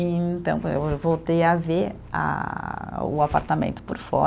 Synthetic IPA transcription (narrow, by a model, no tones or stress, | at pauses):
eẽt̪ɐ̃w̃pewvowt̪ejaveɾ | a̰ | ʊ̰apa̰ɾt̪amḛ̃nt̪ʊ̥pʊɾfɔ̰